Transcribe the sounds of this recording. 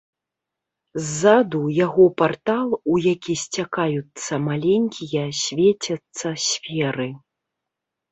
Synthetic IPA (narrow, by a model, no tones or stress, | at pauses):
zːad̪ujaɣɔpart̪alˠujakʲisʲt͡sʲakajut̪sːɐmalʲenʲkʲijɐsʲvʲet͡sʲɐt̪sːɐsʲfʲɛɾɨ